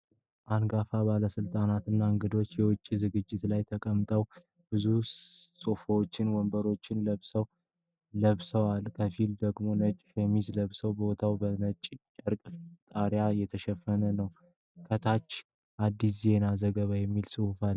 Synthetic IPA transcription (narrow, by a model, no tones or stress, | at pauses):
ʔanɡafabaləsɨlt̪ʼanat̪ɨnːaɨŋɡɨd̪o̞t͡ʃːjɛwʊt͡ʃʼːizɨɡɨd͡ʒːɪt̪lajt̪ʰəkʼəmt̪ʼəw | b̥ɨzusʼofowt͡ʃːɪnwɔmbəɾo̞t͡ʃːɪnləβsəw | ləβsəwalkʰəfild̪əɡmo̞nət͡ʃʼfemizləβsəwbot̪ʰawbənət͡ʃʼt͡ʃʼəɾkʼt̪ʼaɾjajɛt̪ʰəʃɛfːənənəw | kʰət̪ʰat͡ʃː | ʔad̪ːis̬ze̞nazəɡəβajɛmːilsɨhufal